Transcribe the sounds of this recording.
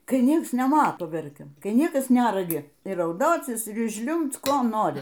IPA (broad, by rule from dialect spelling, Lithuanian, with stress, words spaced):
kɐɪ ˈnʲiɛks nʲɛˈmɑːtoː ˈʋʲɛrʲkʲɛm ˈkɐɪ ˈnʲiɛkɐs ˈnʲærɐɡʲɪ iː rɐʊˈdoːt͡sʲɪs ɪr ˈʒʲlʲʊmpt͡s ˈkoː ˈnoːrʲɪ